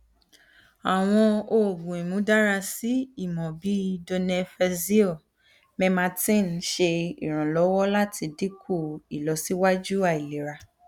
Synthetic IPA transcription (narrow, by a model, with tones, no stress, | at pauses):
a˨w̃ɔ̃˧o˧˨ɡũ˨i˨mũ˨˦da˦ɾa˧si˨˦i˦˨mɔ̃˨bi˨˦do˧nɛ̃˧fɛ˧zi˦ɔ˦˨ | mɛ̃˧mã˧tĩ˦˨n˨˦ʃe˧ḭ˨ɾ̃ã˨lɔ˨˦wɔ˦la˦tʰi˧di˦kʰu˦˨i˨lɔ˨˦si˦wa˦d͡ʒu˦a˦˨i˨le˨ɾa˧